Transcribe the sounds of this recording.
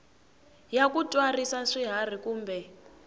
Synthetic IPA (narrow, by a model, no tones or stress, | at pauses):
jakutʼwarisaʂiɦar̤ikuːmbɛ